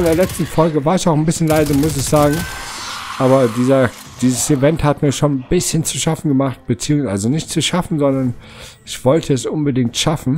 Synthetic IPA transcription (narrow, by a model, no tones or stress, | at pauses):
ɪndeːɐlɛt͡stn̩fɔlɡəvaːɐɪçaʊxnbɪsçənlaɪzɐmʊs̬ɪçz̥aːɡŋ̩ | ʔaːbɐdiːzɐ | d̥iːzəsivɛnthatmiːɐʃoːnbɪsçənt͡suʃafn̩ɡəmaχt̚b̥ət͡siːʊŋəʔalzonɪçtt͡suʃafn̩zɔndɐn | ʔɪçv̥ɔltʰəɛsʔʊnbədɪŋk̚tʃafn̩